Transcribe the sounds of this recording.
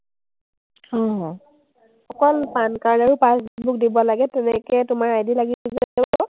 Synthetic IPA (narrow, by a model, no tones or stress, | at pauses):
hɔ̃ɦɔ̃ | xɔkɔlpankaɹdaɹupasbuk̚dibɔlaɡɛtɛnɛkɛtʊmaɹajdilaɡizɛ